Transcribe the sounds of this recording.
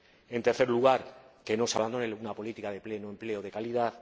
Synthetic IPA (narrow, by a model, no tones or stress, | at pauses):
e̞nt̪e̞ɾθe̞ɾluɣ̞aɾke̞no̞saβand̪o̞nelunapo̞lit̪ikaðe̞ple̞noe̞mple̞oð̞ekaliðaθ